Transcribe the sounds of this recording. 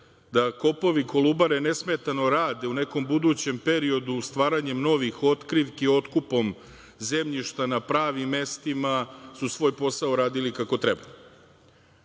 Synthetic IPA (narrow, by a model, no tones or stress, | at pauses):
d̪ako̞po̞ʋiko̞lubaɾe̞ne̞sme̞t̪ano̞ɾaːd̪e̞une̞ko̞mbud̪uːt͡ɕe̞mpe̞ɾio̞d̪ust̪ʋaːɾaɲe̞mno̞ʋixo̞t̪kɾiʋkio̞t̪kupo̞m | ze̞mʎiʃt̪anapɾaːʋimːe̞st̪imasusʋo̞ːjpo̞saoɾaːd̪ilikako̞t̪ɾeba